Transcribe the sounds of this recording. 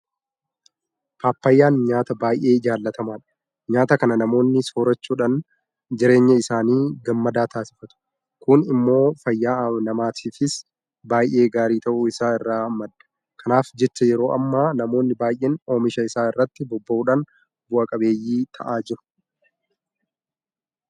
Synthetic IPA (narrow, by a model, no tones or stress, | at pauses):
paːpːɐjːaːnɲaːt̪ɐbaːjʔeːɪd͡ʒaːlːɐt̪ɐmaːᶑɐ̥ | ɲaːt̪ɐkɐnɐnɐmo̞ːnːɪsoːɾɐt͡ʃːuːᶑan | d͡ʒɪɾe̞ːɲːɐɪsaːniːɡɐmːɐd̪aːt̪ʰaːsɪ̥fɐt̪ʊ̥ | kʊnɪmːo̞ːfɐjːaːnɐmaːt̪ʰiːfɪs | baːjʔe̞ːɡaːɾiːt̪ɐʔuɪsaːɪrːaːmːɐd̪ːɐ̥ | kʰɐnaːfd͡ʒɛt͡ʃːɐjɛɾo̞ːʔɐmːaːnɐmo̞ːnːɪbaːjʔeːno̞ːmɪʃɐɪsaːɪrːɐt̪ːɪbɔbːɐʔuːᶑaːn | bʊɐkʼɐbe̞ːjːiːt̪ʰɐ̰ʔaːd͡ʒɪɾʊ̥